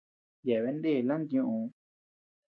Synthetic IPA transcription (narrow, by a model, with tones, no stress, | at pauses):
je˨βe˧˦nd̪e˦˨lã˦nd̪ɲũ˧ʔũ˧